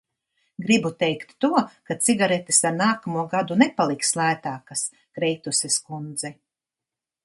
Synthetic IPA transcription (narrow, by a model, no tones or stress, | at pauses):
ɡɾibut̪ɛjkt̪ːuɔkasiɡaɾet̪isaɾnaːkamuɔɡad̪unɛpalˠikslˠaːt̪aːkas | kɾɛjt̪usɛskund̪zɛ